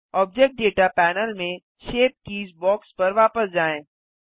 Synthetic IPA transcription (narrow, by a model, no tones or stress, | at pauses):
ɔːb̚d͡ʒek̚ʈ̚ɖeːʈapɛːnəlmẽ | ʃeːp̚kiːzbɔːkspɐɾʋaːpəsd͡ʒaːẽː